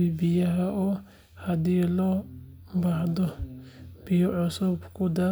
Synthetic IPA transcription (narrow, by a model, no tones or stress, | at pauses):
ibɪjɐɦɐʔɔː | hɐd̪iːlɔː | bɐhd̪ɔ | b̥ɪjɔʕʊsʊbkʰʊd̪ɐ